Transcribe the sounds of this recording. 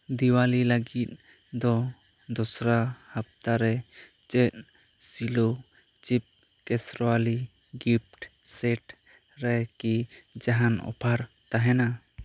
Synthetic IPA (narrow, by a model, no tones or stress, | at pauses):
d̪iwalilaɡit̪̚ | d̪ɔ | d̪ɔsɾahap̚t̪aɾɛ | t͡ʃɛt̪̚ | silo | t͡ʃip̚ | kɛsɾɔwali | ɡip̚ʈsɛʈ | ɾɛkid͡ʒaɦanɔ̰pʰaɾ | t̪aɦɛna